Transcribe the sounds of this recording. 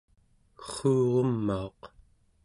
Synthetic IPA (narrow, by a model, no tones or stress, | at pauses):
kə̥χːuːʁomːaoq